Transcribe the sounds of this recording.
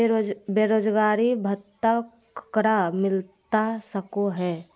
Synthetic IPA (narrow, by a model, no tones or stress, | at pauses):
beːɾoːd͡ʒɡaːɾibʱət̪ak | kɾamɪlt̪asəkoɦɛː